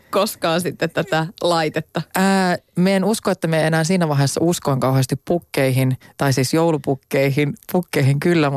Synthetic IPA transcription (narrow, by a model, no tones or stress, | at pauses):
koskɑːnsit̪ːet̪t̪æt̪ælɑit̪et̪ːɑəːmæenuskoet̪ːæmeenæːnsiːnæʋɑɦesːɑ̰uskoiŋkɑuɦest̪ippukːeiɦint̪ɑisiːsjoulupukːeiɦinpukːeihiŋkylːæ